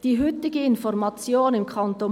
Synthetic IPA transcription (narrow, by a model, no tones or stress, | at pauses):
d̥iːɦʏtɪɡəɪnfɔʁmɑt͡sjoːnɪmkʰɔnto